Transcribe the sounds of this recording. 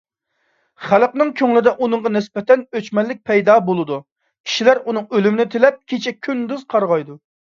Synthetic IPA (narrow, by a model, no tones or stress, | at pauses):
χælˠqnɨŋkʲʰøŋlɪd̪ɛʔunɨɴʁɑnɪsbɛt̪ɛnøt͡ʃmɛlːɪk̚ʲpʰɛjd̪ɑːbolˠɨd̪u | kʲʰi̥ʃilæɾunɨŋølymɪnɪt̪ʰelɛp̚kʲʰet͡ʃʰɛkʲʰynd̪yz̥qʰɑɾʁɑjd̪u